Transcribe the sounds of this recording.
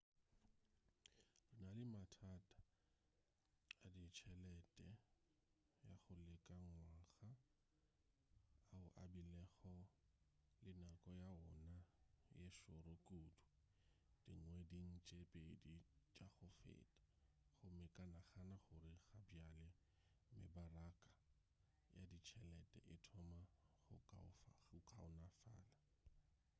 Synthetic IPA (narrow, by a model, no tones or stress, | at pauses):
rɪnalɪmatʰatʼḁ | adit͡ʃʰɛlɛtʼɛ | jaχʊlɪkʼaŋwaɣa | ʊʔa̰bilɛχɔ | lɪnakʼɔjaɔnajeʃʊɾokʼudu̥ | d̥iŋ̩wɛdin̩t͡ʃʼepʼedit͡ʃʼaχʊfḛːtʼḁ | χʊmɪkʼanaχanaχʊrɪχabjalɪ | mɪ̰barakʼa | ja̰dit͡ʃʰɛlɛtʼɛ̰ʔɪtʰɔmaχʊ̰kaʊfʊkʰʼa̰ʊnafa̰ːla